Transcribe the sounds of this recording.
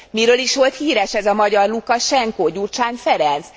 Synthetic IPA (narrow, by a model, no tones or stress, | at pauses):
miɾøːliʃʋo̞lt̪hiːɾɛʃɛzɒmɒɟɒrlukɒʃɛŋkoːɟurt͡ʃaːnfɛɾɛns